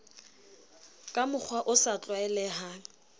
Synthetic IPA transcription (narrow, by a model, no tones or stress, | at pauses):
kʼamʊk͡xʰwaʔʊsat͡ɬʼwaɛlɛɦaːn̩